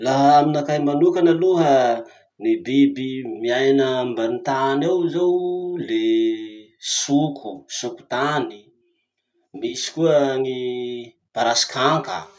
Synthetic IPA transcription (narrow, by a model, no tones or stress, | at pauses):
laɦaaminakajmanukanəluɦə | nibibimiajnəmbant̪anewzowle | sukʰusuku̥t̪ani | misi̥kuəŋi | b̥aɾasi̥kʰaŋkə̰